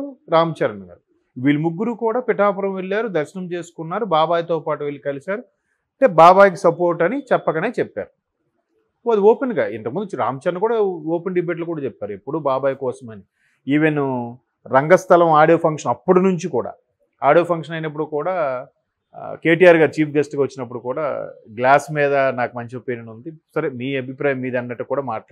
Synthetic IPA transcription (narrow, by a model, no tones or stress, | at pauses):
ɾaːmɐt͡ʃɐɾɐnɐɡa̰ːɾu | ʋiːlumuɡːuɾukuːɽaːpiʈaːpɐɾɐmʋeɭːaːɾud̪ɐɾʃɐnɐmt͡ʃeːsu̥kunːaːɾubaːbaːjt̪oːpaːʈuʋeɭːikɐlisaːɾu | ɐɳʈeːbaːbaːjk̬isɐpo̞ːɾʈɐnit͡ʃɛpːɐkɐneːt͡ʃɛpːa̰ːɾu | ɐd̪ioːpenɡa̰ḭnt̪ɐkmund̪ut͡ʃɾa̰ːmɐt͡ʃɐɾɐnkuːɽaːoːpenɖibe̞ːʈ̬lukuːɽaːt͡ʃɛpːaːɾuepːuɽubaːbaːjkɔːsɐmɐni | iʋenːu | ɾɐŋɡɐst̪ʰɐlɐmaːɽijoːpʰɐŋkʂɐnɐpːuɽunuɲt͡ʃikuːɽa̰ː | a̰ːɽijoːpʰɐŋkʂɐnɐjinɐp̬ːuɽukuːɽaː | ke̞ːʈiːjaːɾɡaːɾut͡ʃiːpʰɡɐsʈkiʋɐt͡ʃːinɐp̬ːuɽukuːɽa̰ːɡlaːsmiːd̪ɐnaːkumɐɲt͡ʃiɐpeniɳund̪isɐɾemiːɐbʱipɾaːjɐmːiːd̪ɐnːɐʈːɐkuːɽaːmaːʈɐla